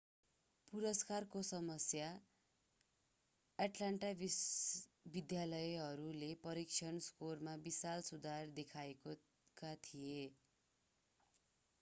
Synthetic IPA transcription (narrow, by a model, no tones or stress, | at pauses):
puɾʌskarkosʌmʌsja | aʈlaɳʈabi | bid̪jalʌjɦʌɾulepʌɾik̚t͡ʃʰʌnskormabisalsud̪ʱard̪ekʰaeko | kat̪ʰije